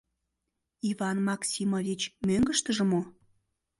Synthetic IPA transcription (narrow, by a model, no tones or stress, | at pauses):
ivɑnmɑksʲimovʲit͡ɕmøŋɡəʃt̪əʒə̆mo